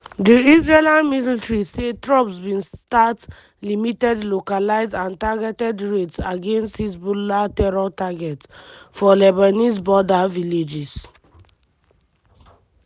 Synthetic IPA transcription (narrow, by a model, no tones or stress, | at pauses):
diisɹelãnminitɹisetɹɔpsbĩnstat | limitɛdlokalaɪzdãntaɡɛtɛdɹetsaɡẽnsthisbulatɛɹɔtaɡɛtfɔlɛbanis̬bɔdaviled͡ʒis